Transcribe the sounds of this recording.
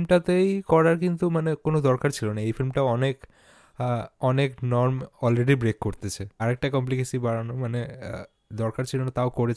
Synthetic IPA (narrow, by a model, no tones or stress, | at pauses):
lmʈat̪ejkɔɾaɾkint̪umanekonod̪ɔɾkaɾt͡ɕʰilonaejfilmʈaɔnek | ɔneknɔɾmɔlɾeɖibɾekːoɾt̪et͡ɕʰeaɾek̚ʈakɔmp̬likesibaɾanomanḛ | d̪ɔɾkaɾt͡ɕʰilonat̪aokoɾet͡ɕʰ